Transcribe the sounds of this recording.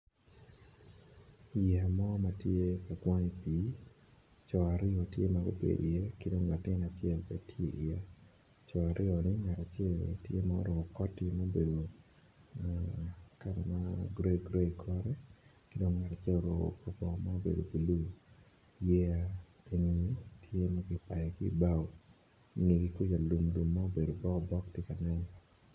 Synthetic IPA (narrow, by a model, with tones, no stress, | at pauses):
ija˨mɔ˦ma˦tje˦pa˨ɡwa˦ŋi˨pi˨ | t͡ʃɔ˨a˨ɾɪ˦ɔ˨tje˦ma˦ɡo̰˦pḛ˨dḭ˨jɛ˦kɪ˦do˦ŋːa˨tɪ˦na˨t͡ʃɛ˦˨lpe˨tʰjḛ˦ʔi˨ja˦ | t͡ʃɔ˨a˨ɾʔɪ˦ɔ˨nɪ˦ŋa˨ɾa˨t͡ʃɛ˦lḛ˨tje˦mao̰˦ɾwɔ˨ɡo˨kɔ˦tɪ˦mo˦be˨do˨ | ka˨ɾɛ̰˨ma˦ɡɾe˦ɡɾe˦kʰɔ˦ɾɛ˦ | kɪ˦do˦ŋŋa˨ɾa˨t͡ʃɛ˦lo˨ɾɔ˨o̰˨kɔ˨pɔ˨ma˦o˦bḛ˨do̰˨bi˨lu˦ | jɛ˦a˦ | e˨ŋi˨i˦tʰje˦ma˦ɡɪ˨pa˨jɛ˨kɪ˦˨ba˦w | i˦ŋe˨ɡi˨kwi˦ja˨lu˨mlu˨mːa˦o˦be˨do˨bɔ˦ɔ˨bɔ˦ktɪ˦ka˨nɛ˦n